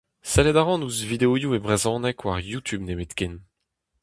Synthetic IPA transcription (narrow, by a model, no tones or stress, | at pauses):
sɛlɛd̪aʁɑ̃nuzvid̪eojuebʁezɑ̃nɛkwaʁjut̪ʰybnebet̪ken